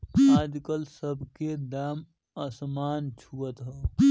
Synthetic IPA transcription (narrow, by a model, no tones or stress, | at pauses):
ad͡ʒkəlsəbʱked̪am | əsmaːnt͡ʃʰuət̪ɦə